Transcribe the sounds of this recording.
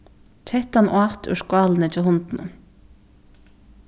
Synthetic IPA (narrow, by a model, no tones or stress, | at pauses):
t͡ʃʰɛht̪anʔwaːt̪ʏ̰ʂkwaːlnɪt͡ʃʰɪɦʊnt̪nʊ̰